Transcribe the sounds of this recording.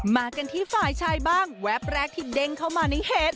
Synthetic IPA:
maː˧ka˧nt̪ʰiː˥˩faː˧˩jt͡ɕʰaː˧jbaː˥˩ŋwɛ˦˥p̚ɾɛː˦˥k̚t̪ʰiː˥˩de˧ŋkʰa˥˩wmaː˧na˧˦˥jheː˨˦˩t̪̚

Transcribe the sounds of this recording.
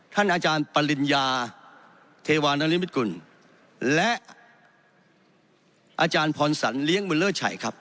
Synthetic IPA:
t̪ʰa˥˩nʔaː˧t͡ɕaː˧npa˧li˧njaː˧ | t̪ʰeː˧waː˧naː˧˥li˦˥˩mi˦˥t̪̚ku˨˩n | lɛ˦˥ʔ | ʔaː˧t͡ɕaː˧npʰɔː˧nsa̰˩˦nli˦˥əŋmɯː˧lːɤː˥˩t͡ɕʰa̰˨˩jkʰɾa˦˥p̚

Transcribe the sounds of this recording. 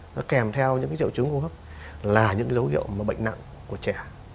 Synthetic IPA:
nɔ˨˦kɛ˨˩mt̪ʰɛ˧wɲɨ̰˧˥ŋkaː˨˦zḭ˧˨wt͡ɕɨ˨˦ŋku˧˩ɦəː˦˥p̚ | laː˨˩ɲɨ̰˧˥ŋ˨˦zə˨˦whḭ˧˨əwmaː˨˩ɓə̰˧˨ŋ̟na̰˧˨ŋ | ku˧˩ət͡ɕɛ˧˩

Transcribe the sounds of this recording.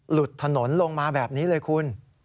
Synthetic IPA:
lu˨˩t̪ʰːa˧no˩˦nlo˧ŋmaː˧bɛː˨˩p̚niː˦˥lɤː˧jkʰu˧n

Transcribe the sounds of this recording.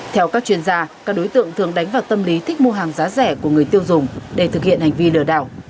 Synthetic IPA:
t̪ʰɛ˧wkaː˦˥k̚t͡ɕwi˧ənzaː˧kaː˦˥k̚ɗo˨˦jt̪ɨ̰˧˨əŋt̪ʰɨ˨˩əŋɗa˨˦jŋ̟vaː˨˩wt̪ə˧mli˨˦t̪ʰï˦˥k̟̚mo˧ɦaː˨˩ŋzaː˨˦zɛ˧˩ku˧˩əŋɨ˨˩əjt̪i˧əwzʊ˨˩ŋ͡mɗe˧˩t̪ʰɨ˨˩k̚hḭ˧˨ənha˨˩jŋ̟vi˧lɨ̰˧˩əɗa̰ː˧˩w

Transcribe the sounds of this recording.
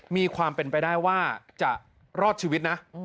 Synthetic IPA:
miː˧kʰwaː˧mpe˧npa˧jdaː˥˩jwaː˥˩t͡ɕa˨˩ | ɾɔː˥˩t̪̚t͡ɕʰiː˧wi˦˥t̪̚na˦˥

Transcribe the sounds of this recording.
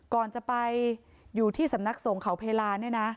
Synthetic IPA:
kɔː˨˩nt͡ɕa˨˩pa˧j | juː˨˩t̪ʰiː˥˩sa˩˦mna˦˥k̚so˨˩˦ŋkʰa˨˩˦wpʰeː˧laː˧n˥˩na˦˥ʔ

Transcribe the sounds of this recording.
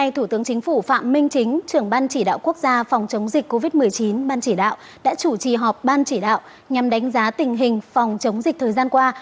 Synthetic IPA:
a˧jt̪ʰu˧˩t̪ɨ˨˦əŋt͡ɕï˨˦ŋ̟fu˧˩fa̰ː˧˨mmï˧ŋ̟t͡ɕï˨˦ŋ̟t͡ɕɨ˧˩əŋɓaː˧nt͡ɕi˧˩ɗa̰ː˧˨wku˦˥ək̚zaː˧fa˨˩wŋ͡mt͡ɕə˨˦wŋ͡mzï˨˩k̟̚kːo˧vi˦˥t̚mɨ˨˩əjt͡ɕi˨˦nɓaː˧nt͡ɕi˧˩ɗa̰ː˧˨w | ɗa̰ː˧˥t͡ɕu˧˩t͡ɕḭ˨˩ɦɔ˨˩p̚ɓaː˧nt͡ɕi˧˩ɗa̰ː˧˨wʔ | ɲa˨˩mɗa˨˦jŋ̟zaː˨˦t̪ï˨˩ŋ̟ɦï˨˩ŋ̟fa˨˩wŋ͡mt͡ɕə˨˦wŋ͡mzï˨˩k̟̚t̪ʰəː˨˩jzaː˧nkwaː˧

